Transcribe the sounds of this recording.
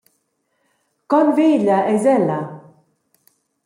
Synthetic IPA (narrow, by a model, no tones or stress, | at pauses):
kɔnveːlaɛzɛlːa